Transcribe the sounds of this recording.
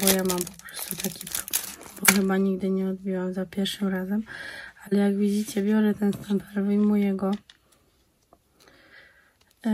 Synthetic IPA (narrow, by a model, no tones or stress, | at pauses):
bɔjamampɔ̥pɾɔ̥st̪ut̪akʲipɾɔblɛmbɔxɘbaɲiɡ̚d̪ɘɲɛɔd̪̚bʲiwamzapʲjɛɾʂɘmɾazɛmalɛjaɡvʲid͡ʑit͡ɕɛbʲjɔɾɛt̪ɛnst̪ɛmpɛɾvɘjmujɛɡɔ